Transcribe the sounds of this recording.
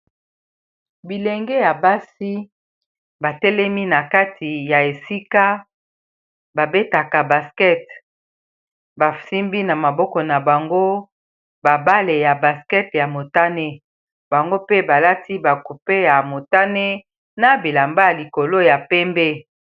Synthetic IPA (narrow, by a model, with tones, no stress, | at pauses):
bi˨le˨ŋɡɛ˦ja˨ba˦si˦ | ba˨tɛ˦lɛ˦mi˦na˨ka˦tʰi˨ja˨e˨si˦ka˦ | ba˨be˦ta˨ka˨ba˨skɛ˦t | ba˨si˦mbi˦na˨ma˨bɔ˦kɔ˨na˨ba˨ŋɡo˦ | ba˨ba˦le˨ja˨ba˨skɛ˦tja˨mo˨ta˦ne˦ | ba˨ŋɡo˦pe˦ba˨la˦ti˦ba˨ku˨pe˦ja˨mo˨ta˦ne˦ | na˨bi˨la˨mba˦ja˨li˨ko˨lo˦ja˨pɛ˦mbe˦